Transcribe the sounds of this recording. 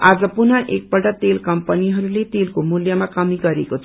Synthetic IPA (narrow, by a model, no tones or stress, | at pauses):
ad͡zʌpunʌʔek̚bʌʈʌt̪elkʌmpʌniɦʌɾulet̪elkomuljʌmakʌmiɡʌɾekot͡sʰ